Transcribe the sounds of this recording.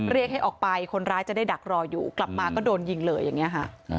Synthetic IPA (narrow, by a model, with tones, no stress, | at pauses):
ɾi˥˩ək̚ɦa˥˩jʔɔː˨˩k̚pa˧jkʰo˧nɾaː˦˥jt͡ɕa˨˩daː˥˩jda˨˩k̚ɾɔː˧jṵː˨˩kla˨˩p̚maː˧kɔː˥˩doː˧nji˧ŋlɤː˧jːa˨˩ŋːi˦˥ɐkʰa˦˥ʔ